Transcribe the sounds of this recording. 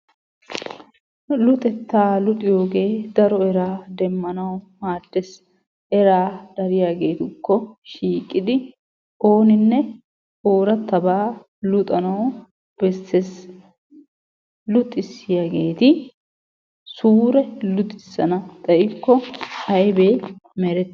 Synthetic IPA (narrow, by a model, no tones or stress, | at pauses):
lʊt̪ʼɛt̪ːaːlʊt̪ʼɪjo̞ːɡe̞ːd̪ɐɾɔɛɾaːd̪ɛmːɐnɐwmaːd̪ːɛs | ɛɾaːd̪̥ɐɾɪjaːɡe̞ːt̪ʊkːɔʃiːkʼːɪd̪ɪ | oːnɪnːɛ | o̞ːɾɐt̪ːɐbaː | lʊt̪ʼɐnɐw | b̥ɛsːes | lʊt̪ʼːɪsːɪjaɡeːt̪ɪ | suːɾɛlʊt̪ʼːɪsːɐnɐt̪ʼɐʔɪkːɔhɐjbeːmɛɾɛt̪ː